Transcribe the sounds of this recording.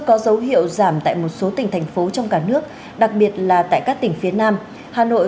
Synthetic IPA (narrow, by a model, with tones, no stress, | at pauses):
kːɔ˨˦zə˨˦wɦḭ˧˨əwzaː˧˩mt̪a̰ː˧˨jmo˨˩t̚so˨˦t̪ï˨˩ŋ̟t̪ʰɛ˨˩jŋ̟fo˨˦t͡ɕɔ˧wŋ͡mkaː˧˩nɨ˦˥ək̚ | ɗa˨˩k̚ɓi˨˩ət̚laː˨˩t̪a̰ː˧˨jkaː˦˥k̚t̪ï˨˩ŋ̟fi˨˦ənaː˧m | haː˨˩no̰˧˨j